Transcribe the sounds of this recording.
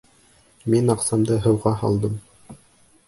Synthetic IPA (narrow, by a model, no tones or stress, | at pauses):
minɑqsɑmd̪ɤɦɤ̆wʁɑhɑ̰lˠd̪ɤm